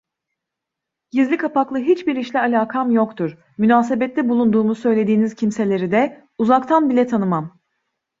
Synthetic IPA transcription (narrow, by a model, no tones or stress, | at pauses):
jizlʲikʰapaklˠɯɦit͡ʃbiɾiʃlʲɛalʲaːkʰamjo̞kt̪ʰuɾ̥ | mynaːs̬e̞bɛt̪lʲɛbulˠund̪uːmuzsø̞jlʲe̞d̪iːniz̥cʰimse̞lʲe̞ɾid̪ɛ | uzakt̪ʰanbilʲɛt̪ʰanɯmam